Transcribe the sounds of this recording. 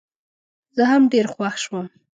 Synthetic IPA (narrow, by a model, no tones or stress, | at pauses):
zəɦamɖeɾxwaxʃwəm